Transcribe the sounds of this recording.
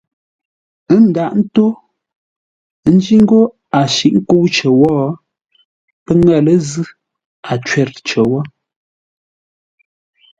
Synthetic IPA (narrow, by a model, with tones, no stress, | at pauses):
ə˦n̩˦da˨ʔn̩˦to˦ | n̩˦d͡ʒi˦ŋ˦ɡo˦ | a˨ʃi˨ʔŋ̩˦ko˦wt͡ʃə˨wɔː˦ | pə˦ŋɛ˦˨lə˦zɨ˦ | a˨t͡ʃɥɛ˦˨ɾt͡ʃə˨wɔ˦